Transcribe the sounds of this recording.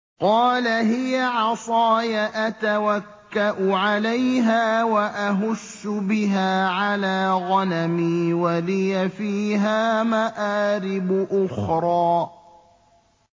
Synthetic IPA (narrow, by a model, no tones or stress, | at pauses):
qɑːlaɦɪjaʕɑsˤɑːjaʔat̪awakːaʔʊʕalajɦaːwaʔaɦʊʃːʊbɪɦaːʕalaːɣɑnamiːwalɪjafiːɦaːmaʔaːɾɪbʊʔʊxɾˤɑː